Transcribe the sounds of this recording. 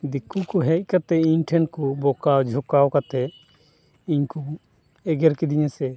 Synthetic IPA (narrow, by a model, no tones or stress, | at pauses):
d̪ikːukuɦɛc̚ˀkat̪ɛiɲʈʰɛnkubɔkawd͡ʒʱɔkawkat̪ɛ | iɲku | ɛɡɛɾkid̪iɲɛsɛ